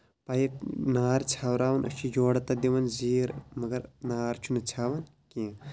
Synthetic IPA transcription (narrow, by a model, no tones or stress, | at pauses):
paːjenaːɾt͡ʃʰaːwɾaːʋɐnɐ̰t͡ʃʰid͡ʒoːɽɐt̪ad̪iʋɐnziːɾmɐɡɐɾnaːɾt͡ʃʰunɐt͡ʃʰaːʋɐn | kĩ